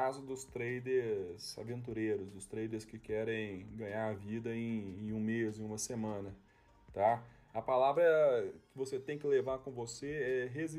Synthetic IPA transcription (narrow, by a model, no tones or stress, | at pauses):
azʊd̪ʊst̪ɾejd̪eɾz̥a̰vẽnt̪̬uɾejɾʊsd̪ʊst̪ɾejd̪eɾskɪkɛɾẽj̃ɡɐ̃ɲaɾavid̪ɐẽẽj̃ũmezẽũmɐsemɐ̃nɐ | t̪a | ɐpalavɾɐkɪvoset̪ẽj̃kɪlevaɾkõvoseɛɦezi